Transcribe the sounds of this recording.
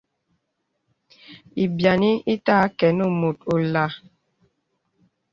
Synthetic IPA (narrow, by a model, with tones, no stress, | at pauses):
i˨bja˨ni˦i˦ta˦kɛ˨nu˦˨mo˨to˨la˨˦